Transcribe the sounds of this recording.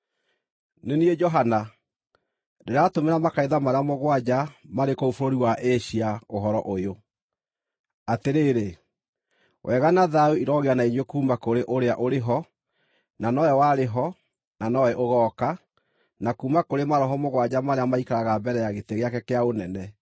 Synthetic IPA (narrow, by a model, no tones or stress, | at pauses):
neniɛd͡ʒɔɦana | deɾatomeɾamakaeðamaɾeamoɣwad͡ʑamaɾekoofoɾoɾiwaʔeɕiaoɦɔɾɔʔojo | ateɾeɾe | wʔɛɣanaðauiɾɔɣeanaiɲwekuːmakoɾeʔoɾeaʔoɾeɦɔ | nanɔwɛwaɾeɦɔ | nanɔwɛʔoɣɔka | nakuːmakoɾemaɾɔɦɔmoɣwad͡ʑamaɾeamaikaɾaɣabɛɾɛjaɣeteɣeakɛkɛaonɛnɛ